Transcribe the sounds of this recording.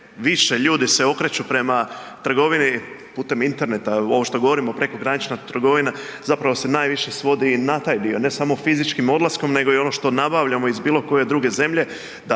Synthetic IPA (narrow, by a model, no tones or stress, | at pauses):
ʋiʃe̞ʎuːd̪ise̞o̞kɾe̞t͡ɕupɾe̞mat̪r̩ɡo̞ʋini | puːt̪e̞mint̪e̞ɾne̞t̪ao̞ʋoʃt̪o̞ɡo̞ʋo̞ɾimo̞pɾe̞ko̞ɡɾanit͡ʃnat̪r̩ɡo̞ʋinazapɾaʋo̞se̞naːjʋiʃe̞sʋo̞d̪inat̪aːjd̪io̞ne̞samofizit͡ʃkimo̞d̪lˠasko̞mne̞ɡo̞io̞no̞ʃt̪o̞nabaʋʎamoizbiːlˠo̞ko̞je̞d̪ɾuɡe̞ze̞mʎe̞ | d̪a